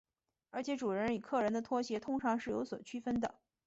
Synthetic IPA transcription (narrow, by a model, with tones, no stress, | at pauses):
ə˞˧˥t͡ɕʰjɛ˧˥ʈ͡ʂu˨˩ɻə˧˥ny˨˩kʰɤ˥˩ɻə˧˥nd̪ə˧t̪ʰwɔ˥ɕjɛ˧˥t̪ʰʊ˥ŋʈ͡ʂʰɑ˧˥ŋʂɻ̩˥˩jo̰˧˥ʊswɔ˨˩t͡ɕʰy˥fə˥nd̪ə̰˨